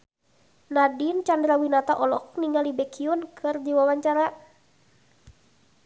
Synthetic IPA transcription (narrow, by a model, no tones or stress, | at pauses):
nadint͡ʃandɾawinat̪aʔɔlɔk̚niŋalibɛkʰiunkʰɨrdiwawaɲt͡ʃaɾa